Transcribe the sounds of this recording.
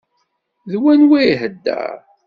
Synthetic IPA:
ðwænwiɦəd̪ːæ̰ɾ

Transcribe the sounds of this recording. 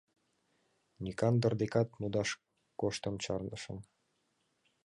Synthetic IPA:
nʲikɑnd̪ə̆rd̪ekɑt̪mud̪ɑʃ | koʃt̪əmt͡ɕɑrndəʃə̰̆m

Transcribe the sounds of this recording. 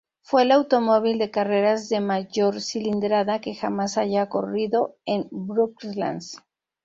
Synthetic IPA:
fwe̞lawt̪o̞mo̞β̞ild̪e̞kare̞ɾazðe̞maʝo̞ɾsilind̪ɾaðake̞xamasaʝako̞riðo̞e̞nbɾukla̰ns

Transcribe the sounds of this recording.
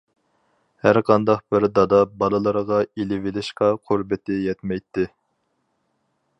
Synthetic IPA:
hæɾqʰɑnd̪ɑqbɪɾd̪ɑd̪ɑbɑlˠɨlˠəɾʁɑilɪvɪlɪʃqɑqʰuɾbɪt̪ʰɪjɛt̪mɛjt̪ʰːɪ

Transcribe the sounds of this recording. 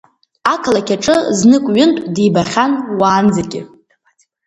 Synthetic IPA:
akʰlakʲʰaʈ͡ʂʼɨznɨkʷʼɥʊntʷʼdibaχʲanwaːnd͡zakʲʼɪ

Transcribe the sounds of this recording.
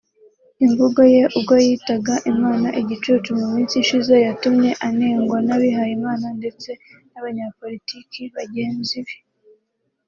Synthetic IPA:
iɱvuɡo̞je̞ʔuɡojitaɡaʔimaːnaʔiɟit͡ʃuːt͡ʃumumiːnsiʃize̞jatumɲe̞ʔaneːŋɡwanaβiɦajimaːnande̞t͡se̞naβaɲapo̞litikiβaɟe̞ːnziβi

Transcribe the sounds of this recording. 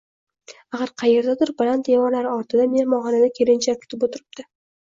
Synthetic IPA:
aχɑɾqʰɑje̞ɾd̪ad̪ʊɾbɪlant̪̚d̪emɒɾlaɾɪɒɾt̪ʰɪd̪amenmɒʁɒnad̪akʲʰe̞ɾɪnt͡ʃʰakʲʰʊ̥t̪ʰɪpot̪ʰɪɾɪb̚d̪̥ɪ

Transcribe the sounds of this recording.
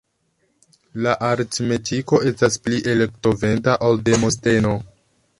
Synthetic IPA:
laʔaɾtme̞tiko̞ʔe̞staspliʔe̞le̞kto̞ve̞ntaʔalde̞mo̞ste̞no̞

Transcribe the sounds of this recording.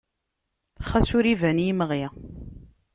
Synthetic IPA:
χæsʊɾivæniməʁjæ

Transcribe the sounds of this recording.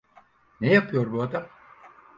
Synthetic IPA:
nejapʰɯjo̞ɾbuad̪am

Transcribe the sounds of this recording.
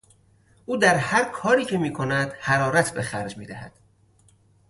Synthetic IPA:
ʔuːd̪æɾhæɾkʰɒːɾiːcʰe̞miːkʰo̞næd̪̥hæɾɒːɾæt̪ʰbexæɾd͡ʒmiːd̪æhæ̰d̪̥

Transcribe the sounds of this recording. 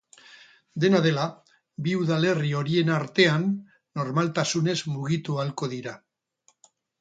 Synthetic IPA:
d̪e̞naðe̞la | biuðale̞rio̞ɾie̞naɾt̪e̞anː | o̞ɾmalt̪asune̞zmuɣit̪ualko̞ðiɾa

